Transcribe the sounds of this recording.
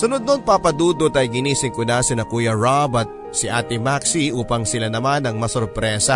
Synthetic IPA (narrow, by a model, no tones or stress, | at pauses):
sɐnʊd̪̚nonpapɐd̪uːd̪ot̪ɐjɡɪniːsɪŋkʊnasɪnɐkuːjɐɹabɐt̪̚ | sɪʔaːt̪ɪmaksiʔuːpɐŋsɪlanɐmanɐŋmɐsʊɾpɾɛːsɐ